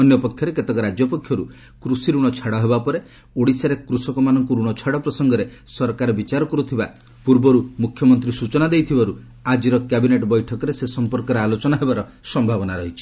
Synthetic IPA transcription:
ɔnjɔpɔkʰjɔɾeket̪ekɔɾad͡ʒjɔpɔkʰjɔɾu | kɾusiɾuɽ̃ɔt͡ʃʰaɽɔɦebapɔɾe | oɽisaɾekɾusɔkɔmanɔŋkuɾuɽ̃ɔt͡ʃʰaɽɔpɾɔsɔŋɡɔɾesɔɾkaɾɔbit͡ʃaɾɔkɔɾut̪ʰiba | puɾbɔɾumukʰjɔmɔnt̪ɾisut͡ʃɔnad̪ejt̪ʰibaɾu | ad͡ʒiɾɔkjabineʈɔbɔjʈʰɔkɔɾesesɔmpɔɾkɔɾealot͡ʃɔnaɦebaɾɔsɔmbʱabɔnaɾɔɦit͡ʃʰi̥

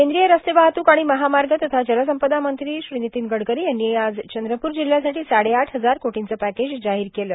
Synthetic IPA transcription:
kend̪ɾijəɾəst̪ebaɦt̪uːkaɽ̃iməɦamaɾɡət̪ət̪ʰad͡ʑələs̬əmpəd̪amənt̪ɾiːɕɾinit̪iːnɡəɽkəɾiːjanːiːad͡zt͡ɕənd̪ɾəpuːɾd͡ʑil̤jasaʈiːsaɽeaʈʰɦəd͡zaɾkoʈʰint͡səpæked͡ʑd͡zaɦiːɾkeləː

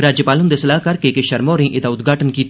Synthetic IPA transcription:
ɾaːd͡ʒjəpaːlʊ̃nd̪esɐlaːɦkɐɾkekeʃɐɾmoːɾĩʔɪd̪aʊd̪ɡʱaːʈənki

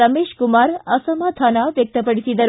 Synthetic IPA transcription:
əmeʃkumaɾəsəmat̪ʰanaʋjək̚t̪əpəɽit̪id̪əɾ

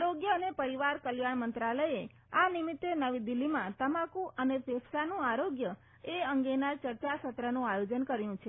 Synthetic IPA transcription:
aɾoɡjəənepəɾiʋaɾkəljaɳmənt̪ɾaləje | animit̪ːenəʋid̪ilːimãt̪əmakũʔənefʰesʰsanũaɾoɡjə | eəŋɡenat͡ʃəɾt͡ʃasət̪ɾənũajod͡ʒənkəɾjũt͡ʃʰe

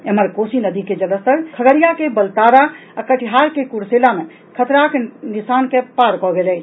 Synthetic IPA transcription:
eməɾkosinəd̪iked͡ʒələst̪əɾkʰəɡəɾijakebəlt̪aɾa | akəʈʰiɦaɾkekuɾselame | kʰət̪ɾakenisankepaɾkɔɡelɛt͡ʃʰ

